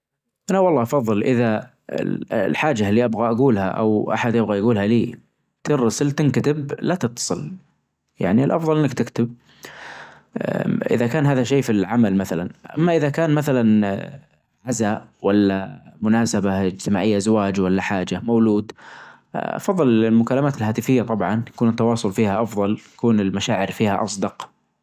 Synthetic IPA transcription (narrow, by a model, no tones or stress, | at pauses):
ʔanawɑlˤːɑːʔɑfɑðˤːɨlʔɪða̰ | lħaːd͡ʒalːiʔabɣaʔaɡuːlha̰ʔa̰wʔa̰ħad̪jɪbɣajaɡuːlhaliː | t̪ɪɾːɑsɪlt̪ɪnkat̪ɪblat̪ɨt̪ːɑ̥sˤɨl | ja̰ʕniɪlʔɑfðˤɑlʔɪnːakt̪ɪkt̪ɪb̚ | ʔɪ̰ðakaːnɦaːðaʃeːfilʕamalmaθalanʔa̰mːaʔɪðakaːnmaθalan | ʕazaʔwalːamʊnaːsabaɪd͡ʒt̪ɪmaːʕɪjːazawaːd͡ʒwalːaħaːd͡ʒamawluːd̪ | ʔɑ̰fɑðˤːlɪlmʊkalːamaːt̪ɪlhaːt̪ɪfɪjːat̪ˤɑbʕɑnt̪akuːnɪt̪ːɑwɑːsˤʊlfiːhaʔɑfðˤɑlt̪ḁkuːnɪlmaʃaːʕɪɾfiːhaʔɑsˤd̪ɑq